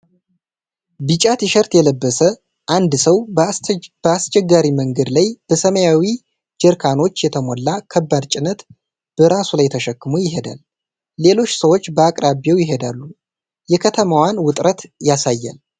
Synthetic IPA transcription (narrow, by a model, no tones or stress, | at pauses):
bɨt͡ʃʼat̪jʃəɾt̪jɛləbːəsə | ʔand̪səw | bəast͡ʃɛɡːaɾiməŋɡəd̪lajb̥əsəməjawi | d͡ʒəɾkʰano̞t͡ʃːjɛt̪ʰəmo̞lːakʰəbːad̪t͡ʃʼɪnət̪ | b̥əɾasulajt̪ʰəʃəkːɨmujɪɦe̞d̪a̰lː | e̞lo̞t͡ʃːsəwot͡ʃːbəakʼɾabjewjɪɦe̞d̪alːu | jɛkʰət̪ʰəmawanwʊt̪ʼɾət̪jasajːa̰l